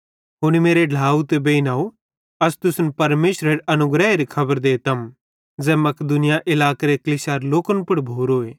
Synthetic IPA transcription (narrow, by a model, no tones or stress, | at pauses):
ɦʊñimeːɾeɖʱaːut̪ebeinaːo | ɐst̪ʊsnpɐɾmeːʃɾeɾɐnʊɡɾɛeɾikʰɐbəɾd̪eːt̪ɐm | d͡zɛːmɐkd̪ʊnɪjaʔɪlaːkeɾeklɪsaːɾloːkənpʊɽbʱoːɾoːeː